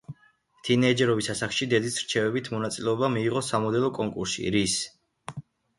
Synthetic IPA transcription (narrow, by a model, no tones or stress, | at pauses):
t̪ʰinɛːd͡ʒɛɾɔvisasaχʃid̪ɛd̪isɾ̥t͡ʃʰɛvɛbit̪ʰmɔnat̪sʼilɛɔbamiːʁɔsamɔd̪ɛlˠɔkʼɔŋkʼuɾsḭɾis